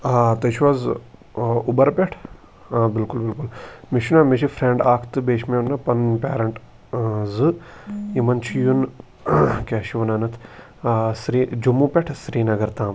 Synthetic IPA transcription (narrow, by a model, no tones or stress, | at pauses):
at̪ɐʃʰʋɐz | ubɐɾpʲɐʈʰ | ãːbɪlkʊlbɪlkʊlmiʃunaːmiʃʰifɾẽɳɖaːkʰt̪ɨbeːʃmenɐpɐnpʲḛːɾɐɳʈ | zɨimɐnt͡ʃʰijun | kʲaːʃiʋɐnanɐt̪ʰ | sɾiːd͡ʒumːũːpʲɐʈʰsɾiːnɐɡɐɾt̪ãːm